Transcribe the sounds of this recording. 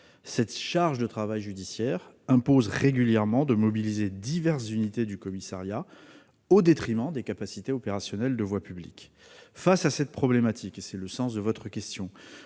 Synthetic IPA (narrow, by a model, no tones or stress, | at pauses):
sɛt̪ʃaʁʒd̪ət̪χavajʒyd̪isjɛːʁ | ɛ̃pozʁeɡʲyljɛʁmɑ̃d̪əmɔbilized̪ivɛʁszynit̪ed̪ykɔmisaʁja | od̪et̪χimɑ̃d̪ekapasit̪eɔpeʁasjɔnɛld̪əvwapyblḭk | fasasɛt̪̚pχɔblemat̪ʰikesɛləsɑ̃s̬d̪əvɔt̪χəkʲɛst̪jɔ̃